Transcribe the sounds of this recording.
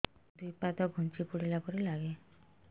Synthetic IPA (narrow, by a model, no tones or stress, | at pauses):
d̪ujpat̪ɔɡʱunt͡ʃipuɽilapɔɾielaɡe